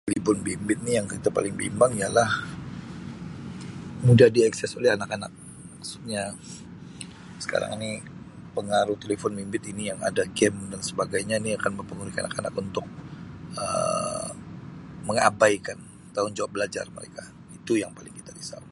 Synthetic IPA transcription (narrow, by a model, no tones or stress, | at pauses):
t̪elifɔnbimbɪt̪̚nijaŋkit̪apalɪŋbḭmbaŋijalah | mudahdiɛksɛsolɛhanakanak̚ | maksu̥t̪̚ɲa | sə̥ka̰ɾa̰ŋini | pəŋaɾuht̪elefɔnbimbɪt̪inijaŋa̰daɡɛmdansəbaɡajɲaniakanməmpəŋuɾika̰nakana̰kunt̪ʊk̚ə̰ | məŋa̰bajkan | t̪aʊnd͡ʒawabəlad͡ʒa̰rmə̰ɾḛka | it̪ujaŋpalɪŋkit̪adisa̰